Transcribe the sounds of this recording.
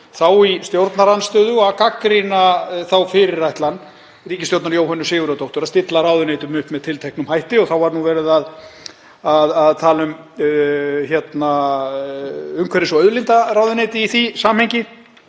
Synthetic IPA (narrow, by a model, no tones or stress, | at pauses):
θawist̪jowɾt̪naɾanst̪œːðʏakakɾinaθawfɪɾɪɾrajht̪lanː | riːcɪsowɾt̪naɾjoːwɦœnːʏsɪːɣʏɾat̪owht̪ʏɾaðst̪ɪt̪laɾaːwðʏnejt̪ʏmʏhpmɛðt̪ʰɪlt̪ʰɛjhknʏmhajht̪ɪɔθawvaɾnuvɛːɾɪðað | aðaðt̪ʰaːlʏm | çɛt̪na | ʏŋkʰvɛɾɪsɔœðlint̪araːwðʏnejt̪ɪiθisaːmhejɲcɪ